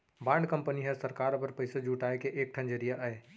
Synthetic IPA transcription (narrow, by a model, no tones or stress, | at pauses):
bãːɳɖkə̃mpəniɦɛsəɾkaːɾpɐɾpəɪsed͡ʒuːʈaːekeʔeːk̚ʈʰə̃nd͡ʒəɾijaʔaeː